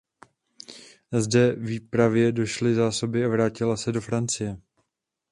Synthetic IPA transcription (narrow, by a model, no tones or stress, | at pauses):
zdɛviːpɾavjɛdo̞ʃlɪzaːso̞bɪavɾaːcɪlasɛdo̞fɾant͡sɪjɛ